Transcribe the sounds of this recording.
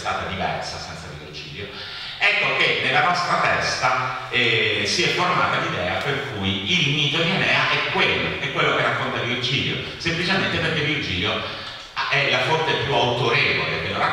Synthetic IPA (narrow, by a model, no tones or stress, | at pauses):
st̪a̰ːt̪ad̪ivɛ̰rsa̰sɛnt̪sadird͡ʒḭːljo | ɛkːokenːelːanɔst̪ɾat̪ɛst̪aɛsiɛfːorma̰ːt̪ad̪id̪ɛːaperkujilnit̪onɛnɛːaʔɛkːwelːoɛkːwelːokerːakːont̪alird͡ʒiːljo̰ | semplit͡ʃement̪eperkːelːird͡ʒiːljo | ɛlːafort̪epjuawt̪oɾeːvo̰lead̪ːeːloɾa